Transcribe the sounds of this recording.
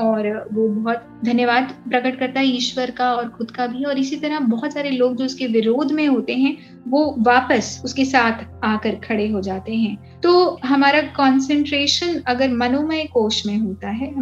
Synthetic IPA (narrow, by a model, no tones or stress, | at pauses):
ɔːɾʋobɐɦʊt̪̚ | d̪ʱɐnjəʋaːd̪pɾɐkəʈ̚kɐɾt̪aɦɛɪːʃʋəɾkaɔːɾxʊd̪kabʱiɦɛɔːɾɪsit̪ɐɾəbɔɦɔt̪saːɾeloːɡd͡ʒoːʊskeʋɪɾoːd̪ʱmẽɦoːt̪eɦɛ̃ | ʋoːʋaːpəsʊskesaːt̪ʰaːkəɾkʰɐɽeɦod͡ʒaːt̪eɦɛ̃ | t̪oːɦɐmaːɾakɔ̃ːnsɛ̃ɳʈɾeːʃənɐɡəɾmɐnoːməekoːʃmẽɦoːt̪aɦɛːɦɐ